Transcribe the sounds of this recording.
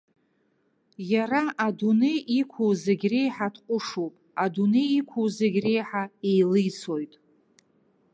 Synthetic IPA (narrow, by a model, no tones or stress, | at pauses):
jaraʔadunejʔikʷʰuwzeɡʲrejħatʰqʷʼʊʂowpʼaduneikʷʰuwzeɡʲre̞jħaejlɨjt͡sʰo̞jtʼ